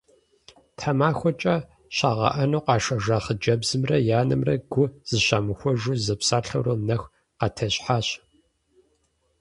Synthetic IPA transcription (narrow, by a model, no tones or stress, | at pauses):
tʰħamaːxʷɔt͡ʃʼɐ | ɕaːʁɐ̰ʔɐnoːqɑːʂɐʒaːχəd͡ʒɐbzɨmrɐjaːnɐmrɐɡʷʊz̥ɨɕaːmɨxʷɔʒuzɐpsaːrɬɐ̰wroːnɐx | qɑːtʰɐɕħaːɕ